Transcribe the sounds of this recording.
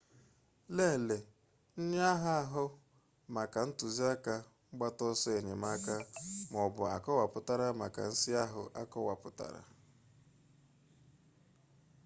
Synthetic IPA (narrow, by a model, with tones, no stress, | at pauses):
le˦˨le˨ | n̩˦ɲ˦a˦ɦa˦a˦ɦʊ˦ | ma˨ka˨n̩˦tʊ˨zi˦a˦ka˦ŋ͡m̩˦ɡ͡ba˦tɔ˦sɔ˦e˨ɲe˨ma˦ka˦m˨ɔ˨bʊ˨a̰˨kɔ˦wa˨pʊ˦ta˦ɾa˦ma̰˨ka̰˨n̩˦sɪ˦a˦ɦʊ˦ʔa˦kɔ˦wa˨pʊ˦ta̰˨ɾa̰˨